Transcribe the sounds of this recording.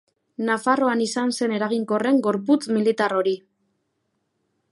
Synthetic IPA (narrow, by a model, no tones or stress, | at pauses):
nafaro̞anisanse̞ne̞ɾaɣ̞iŋko̞re̞ŋɡo̞ɾput͡smilit̪aro̞ɾi